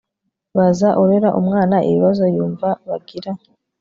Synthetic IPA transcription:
βazaʔuɾeɾaʔumŋaːnaʔḛβiβazo̞juːɱvaβaɡiɾa

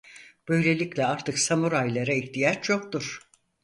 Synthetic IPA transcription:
b̥ø̞jlʲe̞lʲiclʲɛaɾt̪ʰɯksamuɾajlˠaɾaiçt̪ijat͡ʃt͡ʃʰo̞k̚t̪uɾ̥

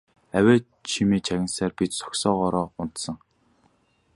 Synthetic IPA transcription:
æwʲæː | t͡ɕʰimiːt͡ɕʰæɣʲɪ̆nsaːrpit͡ɕ̪sɔ̥ksɔːʁɔɾɔːʊn̥t̪sə̆ŋ

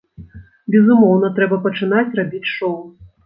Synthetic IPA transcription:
bʲɛzumɔwnɐt̪ɾɛbɐpɐt͡ʂɨnat͡sʲrabʲit͡sʲʂɔw

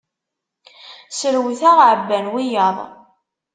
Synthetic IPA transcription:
səɾwθaʁʕəbːænwijɑðˤ

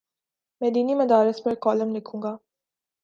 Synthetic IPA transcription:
mɛd̪iːnimɐd̪aːɾɪsbɐɾkɔːlɐmnekʰuŋɡaː

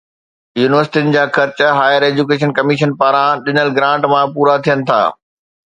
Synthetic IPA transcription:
juːnɪʋəɾsɪ̥ʈiʊnɪ̆d͡ʑaːxɐɾt͡ɕɦaːjəɾeːd͡ʑukeːʃ̬ənkɐmiːʃənpaːɾãɗɪnəlɡɾãːʈmãpuːɾat̪ʰijənɪ̆t̪ʰa̰ː

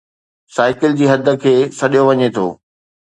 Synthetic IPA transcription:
saːɪkɪld͡ʑiːɦɐd̪ʱə̆kʰeːsɐɗijoʋɐɲet̪ʰo̰ː

